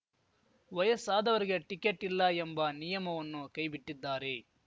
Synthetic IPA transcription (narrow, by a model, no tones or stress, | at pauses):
ʋɐjɐsaːd̪ɐʋɐɾiɡeʈikːeʈːilːɐembɐnijɐmɐʋɐnːukɐjbiʈːid̪ːaːɾe